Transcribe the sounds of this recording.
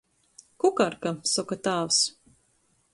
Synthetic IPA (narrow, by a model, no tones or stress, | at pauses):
kukaɾkasɔkat̪aːws